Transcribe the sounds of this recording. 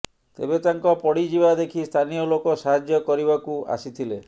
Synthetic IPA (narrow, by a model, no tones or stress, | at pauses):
t̪ḛbet̪aŋkɔpɔɽid͡ʒibad̪ekʰist̪ʰanijolokɔsaɦad͡ʒjɔkɔɾibakua̰sit̪ʰile